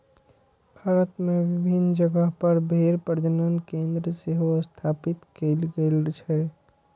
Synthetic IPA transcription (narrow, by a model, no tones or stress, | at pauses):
bʱaːɾət̪mẽʋɪbʱind͡ʒəɡəɦpəɾbʱeɾpəɾd͡ʒənənkẽːnd̪ɾəseɦost̪ʰaːpɪt̪kelɡelt͡ʃʰɛ